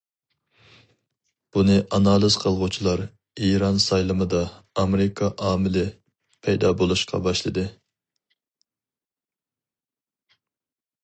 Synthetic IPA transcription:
b̥unɨʔɑnɑlˠɨz̥qʰəlˠʁut͡ʃʰilˠɑɾ | iɾɑnsɑjlˠɨmɨd̪ɑː | meɾɪkʰɑʔɑːmɪlɪ | pʰɛjd̪ɑbolˠuʃqʰɑ̰bɑʃlˠɨd̪ɨ

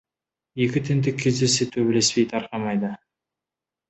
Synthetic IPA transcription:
e̞kʲɪt̪ʰɪnd̪ɪkʲʰːe̞zd̪e̞se̞t̪ʰɵbele̞spe̞jt̪ʰɑɾqɑmɑjd̪ə

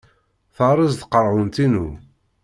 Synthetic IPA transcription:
θəʁɾˤəzt̪qəɾˤʁʊnt̪inu

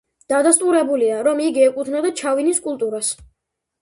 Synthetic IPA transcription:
d̪̥ad̪ast̪ʼuɾɛbuliaɾɔmiɡiɛkʼut̪ʰnad̪at͡ʃʰaviniskʼulˠt̪ʼuɾas

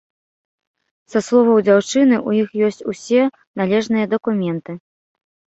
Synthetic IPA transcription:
saslˠɔvɐwd͡zʲawt͡ʂɨnɨʔujixjɔsʲt͡sʲusʲɛ | nalʲɛʐnɨjɐd̪ɐkumʲɛnt̪ɨ

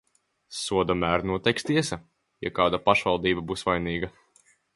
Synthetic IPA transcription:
suɔd̪amæːɾnuɔt̪ɛjkst̪iɛsɐ | ja̰kaːd̪apaʃvalˠd̪iːbabuːsvajniːɡɐ

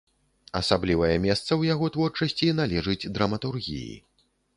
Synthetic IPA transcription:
ɐsablʲivɐjɛmʲɛst̪sɐwjaɣɔt̪vɔrt͡ʂɐsʲt͡sʲinalʲɛʐɨd͡zʲd̪ɾɐmɐt̪urɣʲḭjḭ

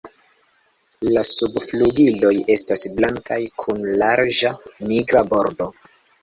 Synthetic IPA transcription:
lasubfluɡilo̞je̞stasblaŋkajkʰunlaɾd͡ʒamiɡɾabo̞ɾdo̞

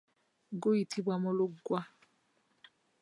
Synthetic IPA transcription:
ɡoitʰibwamɔlʊɡwa

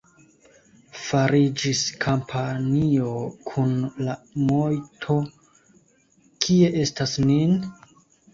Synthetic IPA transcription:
faɾid͡ʒiskʰampʰanio̞kʰunlamojtʰo̞ | kʰie̞ʔe̞stasnin

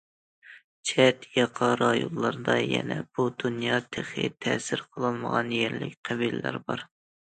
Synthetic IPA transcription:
t͡ʃʰɛt̪jɑqʰɑɾɑjolːˠɑɾd̪ɑjɛ̰nɛb̥ud̪unjɑt̪ʰeχɪ̰t̪ʰɛːsɪɾqʰəlˠɨlˠməʁɑnjɛɾlɪkʲqʰɛbilɪlæ̰ɾbɑɾ

